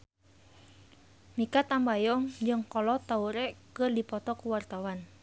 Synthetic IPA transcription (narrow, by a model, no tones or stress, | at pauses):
mikat̪ambajɔŋd͡ʒɨŋkɔlɔt̪auɾɛkɨrdipɔt̪ɔkuwart̪awan